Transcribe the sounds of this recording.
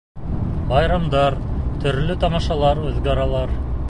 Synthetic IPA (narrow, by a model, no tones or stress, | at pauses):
bɑjɾɑmd̪ɑɾt̪ʰɵ̆ɾlɵt̪ɑmɑʃɑlˠɑɾʉðɡɑɾɑlˠɑɾ